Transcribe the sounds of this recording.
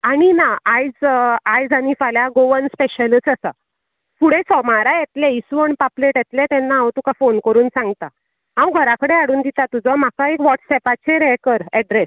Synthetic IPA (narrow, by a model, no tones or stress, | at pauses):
aɽ̃inaajd͡zajd͡zanifaljaɡoʋənspeɕəlist͡sasa̰ | fuɽesɔmaɾajet̪leisuəɳpapleʈjet̪let̪ɛnːaawt̪ukafonkəɾuːnsãŋɡt̪a | ɦãwɡʱəɾakəɽeaɽuːnd̪it̪at̪ud͡zam̤akaekʋɔʈsɛpat͡ɕʰeɾɛkəɾɛɖɾes